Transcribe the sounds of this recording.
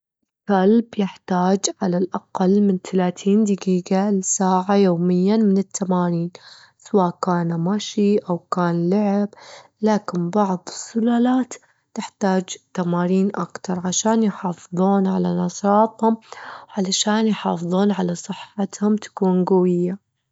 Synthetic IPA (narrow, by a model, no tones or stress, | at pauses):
kalbjɪħt̪aːd͡ʒʕalalʔaqɑlːmɪnt̪alaːt̪ʰiːnd̪ɪɡiːɡalɪsaːʕajoːmɪjːamɪnɪt̪ʰːamaːɾiːn | sawaːʔkaːnmaʃiʔawkaːnlʊʕɪblaːkɪnbɑʕðˤɨsːʊlaːlaːt̪ | t̪ɪħt̪aːd͡ʒt̪ːamaːɾiːnʔa̰kt̪ɑɾˤʕaʃaːnjħɑːfɨðˤuːnʕalanɑʃɑːt̪ˤhʊmwʕalaʃaːnjħɑːfɨðˤuːnʕalasˤɨħːat̪hʊmt̪ḁkuːnɡawɪjːa